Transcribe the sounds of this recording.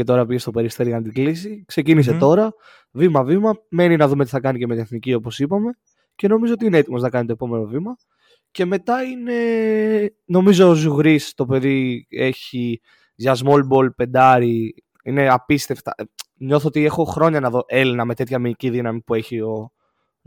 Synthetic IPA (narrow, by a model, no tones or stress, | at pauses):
et̪o̞ɾɐpiʝe̞st̪o̞pe̞ɾist̪e̞ɾʝɐnɐt̪iɡlisikse̞cinis̬e̞t̪o̞ɾɐ | vimɐvimɐme̞ninɐðumet̪iθɐkɐnicemet̪ineθnicio̞posipɐme̞ | ce̞no̞mizoot̪iineet̪imo̞znɐkɐnit̪o̞epo̞me̞no̞vimɐ | ce̞me̞t̪ɐine̞ | no̞mizoːzuɣɾist̪o̞pe̞ðie̞çi | ʝɐzmolbo̞lpe̞nd̪ɐɾi | ine̞ɐpist̪e̞ft̪ɐ̰ɲo̞θoot̪iexo̞xɾo̞ɲɐnɐðo̞ʔe̞linɐme̞t̪e̞t̪çɐmiiciðinɐmipue̞çio̞